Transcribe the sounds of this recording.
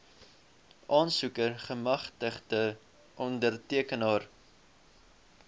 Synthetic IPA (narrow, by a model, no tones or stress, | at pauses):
ʔɑːnsukərχəmɐχtəχdə | ʔɔndərtiəkənɑːr